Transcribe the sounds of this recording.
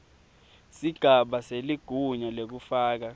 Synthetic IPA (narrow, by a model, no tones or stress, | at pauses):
siɡ̥ʱaɓaseliɡ̥ʱuɲalek̬ufaːk̬a